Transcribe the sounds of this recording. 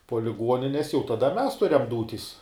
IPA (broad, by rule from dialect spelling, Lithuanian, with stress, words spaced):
puɔ lʲɪˈɡuɔnʲɪnʲɛs jɛʊ tɐˈdɐ mʲɛs ˈtʊrʲɛm ˈduːtʲɪs